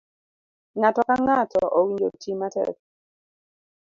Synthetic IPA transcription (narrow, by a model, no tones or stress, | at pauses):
ŋatɔkaŋatɔʔɔwind͡ʒotʰimatɛ̰